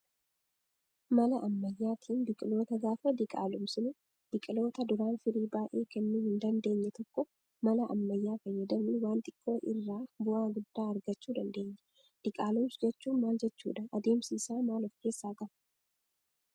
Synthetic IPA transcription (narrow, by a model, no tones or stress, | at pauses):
mɐlɐʔɐmːɐjːaːt̪ʰiːnbɪkʼɪlo̞ːt̪ɐɡaːfɐd̪ɪkʼa̰ːlʊmsɪnʊ | b̥ɪkʼɪlo̞ːt̪ɐd̪ʊɾaːnfɪɾiːbaːʔeːkɛnːʊhɪnd̪ɐnd̪e̞ːɲːɛt̪ɔkːɔ | mɐlɐʔɐ̰mːɐjːaːfɐjːɐd̪ɐmɪwaːnt̪ʼɪkʼːo̞ːʔɪrːaːbʊʔaːɡʊd̪ːaːɐɾɡɐt͡ʃːuːd̪ɐnd̪e̞ːɲːɛ | d̪̥ɪkʼaːlʊmsd͡ʒɛt͡ʃːuːnmaːld͡ʒɛt͡ʃːṵːᶑ̪ɐʔɐd̪e̞ːmsiːsaːmaːlɔfke̞ːsːaːk̪ʼɐm